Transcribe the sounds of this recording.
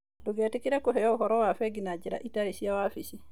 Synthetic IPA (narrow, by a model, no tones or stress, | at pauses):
duɡɛtikidakɔhɛjɔwɦɔɾɔwafɛɡinad͡ʒiɾa̰ʔitaɾisijawafisi